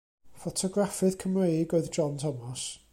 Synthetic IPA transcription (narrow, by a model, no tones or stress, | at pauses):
fɔtʰɔɡrafɨð̥kʰəmrejɡoɨðd͡ʒɔntʰɔmɔs